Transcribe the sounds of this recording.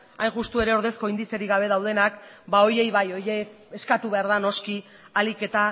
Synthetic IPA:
ajnʝust̪ue̞ɾe̞o̞ɾðe̞sko̞ind̪ise̞ɾiɣaβ̞e̞ðawð̞e̞nakbao̞je̞jβajo̞je̞ | eskat̪uβe̞aɾðano̞ski | alike̞t̪a

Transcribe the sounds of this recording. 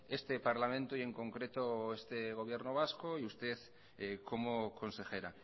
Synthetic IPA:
e̞st̪e̞paɾlamẽ̞nt̪uie̞ŋko̞ŋkɾe̞t̪oest̪eɣ̞o̞β̞je̞ɾnoβ̞askoiust̪e̞ð | ko̞moko̞nse̞xe̞ɾa

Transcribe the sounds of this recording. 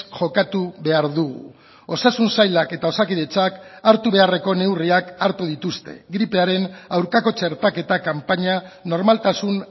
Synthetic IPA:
ʝo̞kat̪uβe̞aɾðuɣṵ | o̞sasunsajlake̞t̪ao̞sakiðe̞t͡sakaɾt̪uβe̞are̞ko̞ne̞wriakaɾt̪uð̞it̪ust̪e̞̰ɡɾipe̞aɾe̞nawɾkako̞t͡ʃe̞ɾt̪ake̞t̪akampaɲano̞ɾmalt̪asun

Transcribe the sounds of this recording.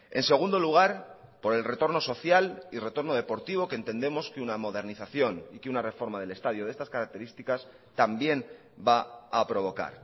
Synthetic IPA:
e̞̰nse̞ɣ̞und̪o̞luɣ̞aɾ | po̞ɾe̞lre̞t̪o̞ɾno̞so̞θjalire̞t̪o̞ɾno̞ð̞e̞po̞ɾt̪iβ̞o̞kent̪e̞nd̪e̞mo̞skeunamo̞ðe̞ɾniθaθjo̞nikeunare̞fo̞ɾmað̞e̞le̞st̪að̞joð̞e̞st̪askaɾak̚t̪e̞ɾist̪ikas | t̪ambje̞n | baapɾo̞β̞o̞ka̰ɾ

